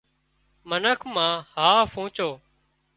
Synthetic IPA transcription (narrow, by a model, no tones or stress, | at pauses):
mənəkʰmãːhaːfʰũːt͡ʃoː